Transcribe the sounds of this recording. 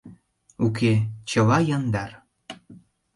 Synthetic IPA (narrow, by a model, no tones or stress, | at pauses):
uket͡ɕə̆lɑjɑnd̪ɑr